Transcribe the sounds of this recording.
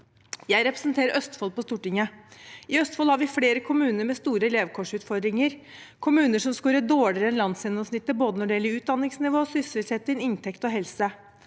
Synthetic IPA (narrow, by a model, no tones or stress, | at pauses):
jæɪɾɛpɾəsnt̪ʰeːɾəɾʔœst̪fɔlpɔst̪uːʈɪŋəɪœst̪fɔlhɑɾʋɪfleːɾəkʰʊmʉːnəɾmɛst̪uːɾəleːʋkʰɔʂʉːt̪fɔɾd̪ɾɪŋəɾ | kʰʊmʉːnəʂɔmskʉːɾəd̪oːɭɪɾəɛnlɑnsjɛnːɔmsnɪt̪ːəboːd̪ənɔɖɪɛlːəɾʉːt̪̚d̪ɑnːɪŋsnɪʋoːsʏsʏlsɛːt̪ːɪnɪnt̪ʰɛkt̪ɔɦɛlsə